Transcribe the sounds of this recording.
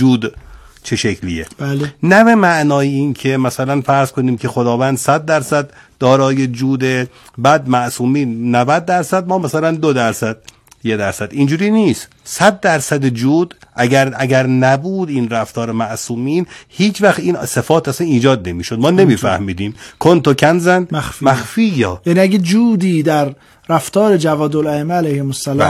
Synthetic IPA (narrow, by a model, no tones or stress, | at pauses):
d͡ʒuːd̪ | t͡ʃʰe̞ʃekʰlieblnæbe̞mæʔnɒːjeiːncʰe̞mæsælænfæɾz̥kʰo̞niːmcʰe̞xod̪ɒːvænd̪sæd̪̚ːæɾsæd̪ːɒːɾɒːjed͡ʒuːd̪e | bæːd̪mæʔsuːmiːnːævæd̪̚ːæɾsæd̪̚mɒːmæsælænd̪od̪æɾsæd̪̥̚ | jed̪æɾsæd̪ind͡ʒuːɾiːniːst̪ | sæd̪̚ːæɾsæd̪ed͡ʒuːd̪ʔæɡæɾæɡæɾnæbuːd̪iːnɾæft̪ʰɒːɾemæʔsuːmiːnhiːt͡ʃvæxt̪iːnsefɒːt̪ʰæsæniːd͡ʒɒːd̪̚ne̞miːʃod̪̚mɒːne̞miːfæ̰hmiːd̪iːmkʰont̪okʰænzænxfmæxfiːjɒːjæniæɡed͡ʒuːd̪iːd̪æɾ | ɾæft̪ʰɒːɾed͡ʒævɒːd̪olæemːeælæjhemosːælɒː